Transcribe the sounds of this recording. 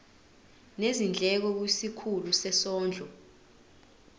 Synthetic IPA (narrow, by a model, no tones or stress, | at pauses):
nezind͡ɮʱɛk̬ɔk̬wisikʰulusɛsɔːnd͡ɮʱɔ